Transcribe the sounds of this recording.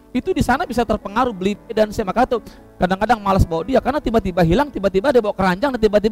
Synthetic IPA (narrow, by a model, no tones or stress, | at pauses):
it̪udisanabisat̪ərpəŋaɾubəlipedansamakat̪u | kadaŋkadaŋmalasbawaʔdiakarnat̪ibat̪ibaɦilaŋt̪ibat̪ibadiabawakəɾaɲd͡ʒaŋnat̪ibat̪ib